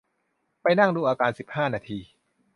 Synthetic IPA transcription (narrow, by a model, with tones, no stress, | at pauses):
pa˧jna˥˩ŋduː˧˩ʔaː˧kaː˧nsi˨˩p̚haː˥˩naː˧t̪ʰiː˧